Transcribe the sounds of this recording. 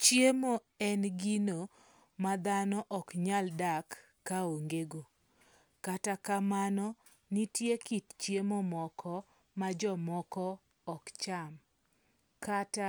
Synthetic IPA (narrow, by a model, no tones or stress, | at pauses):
t͡ʃjemo | ɛnɡino | mad̪anɔʔɔkɲaldakː | aoŋɡeɡo | katakamanɔ | nitjekitt͡ʃjemomɔkʰɔ | mad͡ʒɔmɔkɔː | kt͡ʃam | kata